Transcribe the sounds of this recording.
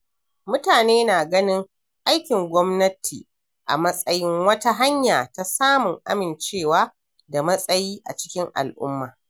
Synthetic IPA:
mʊ˦taː˨neː˦naː˨ɡɐ˦nɪ˦ŋ | ʔa˦jkʲɪ˨ŋɡʷɔ˦mnɐ˦tʰiː˨ | ʔa̰˨mɐ˦sʼɐ˦jɪ˦ŋwɐ˦ta˦ɦa˦ɲjaː˨ta˦saː˦mʊ˨ŋʔa̰˦mɪ˨nt͡ʃeː˦˨waː˦ | da˨mɐ˦sʼɐ˦jiː˦ʔa̰˨t͡ʃɪ̥˦kʲɪ˦ŋʔa̰˨lʔʊ̰˦mːaː˨

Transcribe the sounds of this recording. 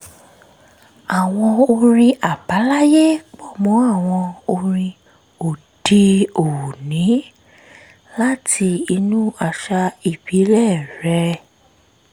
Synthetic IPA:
a˨w̃ɔ̃˧o˧ɾ̃ĩ˧ʔa˨ba˨˦la˦je˦k͡pɔ˦˨mɔ̃˨˦a˦˨w̃ɔ̃˧o˧ɾĩ˧ | o˨ | d̥i˧o˨wu˨nĩ˨˦ | la˦tʰi˧i˧nũ˦a˧ʃa˧i˨bi˨˦lɛ˦˨ɾɛ˧˦

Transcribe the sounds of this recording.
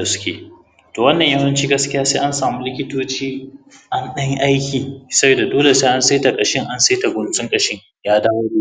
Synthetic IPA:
ɐ˨sʊ̥˦kʲḛː˨ | toː˨wɐ˦nːɐ˨ɲjɐ˦wɐ˦nt͡ʃiː˦ɡɐ˦skʲɪ˦jaː˦seː˦ʔa˦nsaː˨mu˦lɪ˦kʲɪ˦toː˦t͡ʃiː˦ʔa˦nɗɐ˦ŋʔa˦jkʲiː˨sɐ˦beː˨da˨doː˦le˨seː˦ʔa˦nse˦ta˨kʼɐ˨ʃɪ˦ŋʔa˦nse˦ta˨ɡʷʊ˨nt͡sʼɪ˦ŋkʼɐ˦ʃɪ˦ŋ | jaː˦daː˦woː˦ɽuː˦

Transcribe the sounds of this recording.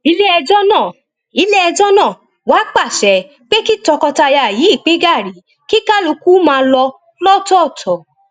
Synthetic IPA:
i˨˦le˦ɛ˧d͡ʒɔ˦nãː˦˨ | i˨˦le˦ɛ˧d͡ʒɔ˦nãː˦˨ | wa˨˦k͡pa˦˨ʃɛ˨˦ | k͡pe˦ki˦tɔ˧kɔ˧ta˧ja˧˨ji˨˦i˦˨k͡pĩ˦ɡa˦˨ɾi˨˦ | ki˦ka˦lo˧ku˦mãː˧lɔ˧ | lɔ˦˨tɔ˦˨tʰɔ˨˦

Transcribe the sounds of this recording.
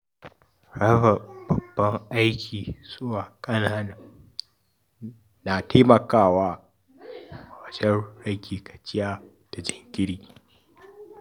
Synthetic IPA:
ɽɐ˦ɸɐ˨b̥ɐ˨bːɐ˦ŋʔa˦jkʲʰiː˨z̥ʊ˦waː˨kʼɐ˦naː˦na˨ | naː˨tʰeː˦mɐ˨kaː˦˨waː˦˨ | wɐ˨d͡ʒɐ˦nɽɐ˦ɡʲiː˨kɐ̥˨t͡ʃʼɪ˦jaː˦ | d̥a˨d͡ʒɪ˨ŋɡʲɪ˦ɽiː˨

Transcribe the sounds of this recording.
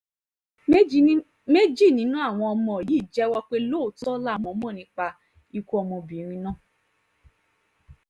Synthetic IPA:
me˦d͡ʒi˦˨nĩ˨˦nũ˦a˦˨w̃ɔ̃˧ɔ˧mɔ̃˧˨ji˦˨d͡ʒɛ˦wɔ˧k͡pe˦lo˦˨tɔ˦la˦˨mɔ̃˧˦mɔ̃˦˨nĩ˨˧˦k͡pa˧ | i˧ku˦ɔ˧mɔ̃˧bĩ˨˦ɾ̃ĩ˧˦nãː˦˨

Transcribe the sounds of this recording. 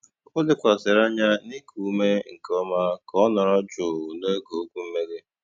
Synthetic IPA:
ʊ˦dɪ˦kʷa˨sɪ˨ɾa˦ɲa˦ni˦kʰu˦me˦ŋ̩˨kɔ˦ma˦kɔ˦nɔ˨ɾɔ˦d͡ʒʊ˨ne˦ɡo˨o˦kʷu˦m̩˦me˦de˦

